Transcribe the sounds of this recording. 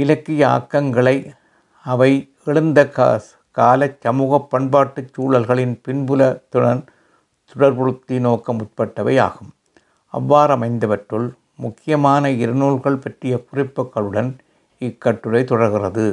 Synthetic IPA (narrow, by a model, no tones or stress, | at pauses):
ɪlɐkːɪjɐa̰ːkːɐŋɡɐɭɐɪ | ɐʋɐɪ | ɛɻɯnd̪ɐkː | kaːlɐt͡ʃːɐmuːɣɐpːɐɳbaːʈːɯt͡ʃːuːɭɐlɣɐɭɪnpɪnbɯlɐt̪ʊɽɐn | t̪ʊɽɐɾpɔɻɯt̪ːinoːkːɐmʊt̚pɐʈːɐʋɐja̰ːɣɯm | ɐ̰ʋːaːɾɐmɐɪnd̪ɐʋɐʈrɯl | mʊkːɪjɐmaːnɐɪɾɐnuːlɣɐɭpɐʈrɪjɐkʊrɪpːɯkːɐɭɯɽɐn | ɪkːɐʈːɯɾɐɪt̪ɔɽɐɾɣɪrɐðɯ